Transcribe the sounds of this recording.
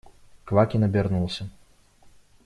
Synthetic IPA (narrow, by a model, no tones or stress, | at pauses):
kvakʲinɐbʲɛrnulˠsʲɐ